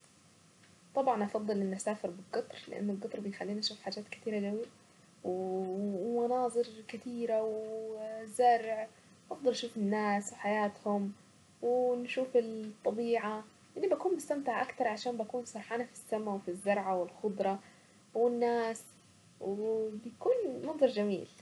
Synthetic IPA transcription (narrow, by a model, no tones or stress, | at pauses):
t̪ˤɑbʕɑnʔɑfɑd̪ˤːɨlɪnːʊsaːfɪɾbɪlɡɨt̪ˤɾlɪ̰ʔa̰nːʊlɡɨt̪ˤɾbɪjxalːiːnʔaʃuːfħaːd͡ʒaːt̪kɪt̪iːɾad͡ʒawːa | w | mɑnɑːzˤɨɾkɪt̪iːɾaw | zɑɾˤʕ | ʔɑfd̪ˤɑlʔaʃuːfɪnːaːswħajaːt̪hʊm | wɪnʃuːfɪlt̪ˤːɑbiːʕa | ʔɪnːibakuːnmʊst̪amt̪ɪʕʔakt̪ɑɾˤʕaʃaːmbakuːnsˤɑɾˤħɑːnafi̥sːamawfizːɑɾˤʕawɪlxʊd̪ˤɾˤɑ | wɪnːaːs | wbjakuːnmɑnðˤɑɾˤd͡ʒamḭːl